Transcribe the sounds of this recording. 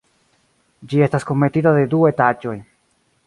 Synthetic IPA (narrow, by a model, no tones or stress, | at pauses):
d͡ʒie̞stasko̞me̞titaðe̞duetad͡ʒo̞j